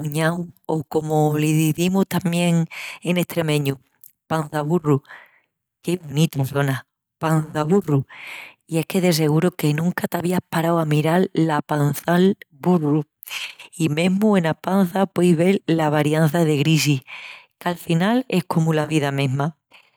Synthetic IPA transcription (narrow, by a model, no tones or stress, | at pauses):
uɲawoko̞moliðiðimuht̪amje̞ŋene̞ht̪ɾe̞mẽ̞ɲu | pan̟θaβuru | ke̞βonit̪onθo̞na | panθaβuru | ie̞hke̞ðe̞s̬e̞ɣ̞uɾoke̞nũŋkat̪aβ̞iahpaɾawamiɾallapanθalburu | imẽ̞ɦmuenapan̟θapwejβe̞llaβaɾjanθaðe̞ɣɾis̬ihkalfinale̞hkʰo̞mulaβiðamẽ̞ɦma